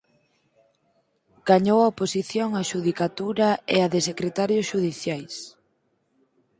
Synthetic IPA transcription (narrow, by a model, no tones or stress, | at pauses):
ɡ̥aɲowɐoposiθjoŋaʃuðikat̪uɾɐeaðesekɾet̪aɾjosʃuð̞iθjajs